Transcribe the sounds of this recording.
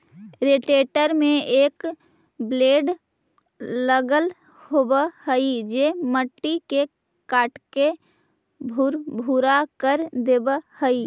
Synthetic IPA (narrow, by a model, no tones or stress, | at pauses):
ɾeʈeːʈəɾmẽeːk | bleːɖ | ləɡəl | hobəhəid͡ʒeməʈːike | kaːʈke | bʱuɾbʱuɾakəɾd̪ebəhəi